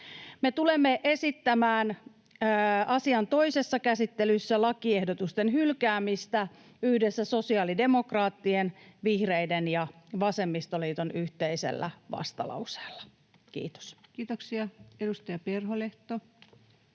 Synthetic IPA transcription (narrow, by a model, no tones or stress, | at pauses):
me̞t̪ulemːeʔe̞sit̪ːæmæːn | ɑsiɑnt̪o̞ise̞sːɑkæsit̪ːelysːælɑkiehdot̪ust̪e̞nɦylkæːmist̪æ | yhdesːæso̞siɑːlide̞mo̞krɑːt̪ːienʋihreidenjɑʋɑse̞mːist̪o̞liːt̪onyht̪eisḛlːʔæ̰ʋɑ̰st̪ɑ̰lɑ̰wse̥ːlːɑ̥ | kḭːt̪o̥skiːt̪oksiɑedust̪ɑjɑperɦoleht̪o